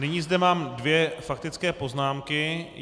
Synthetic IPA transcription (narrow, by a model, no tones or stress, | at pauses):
nɪɲizdɛmaːmdvjɛfak̚t̪ɪt͡skɛːpo̞znaːmkɪ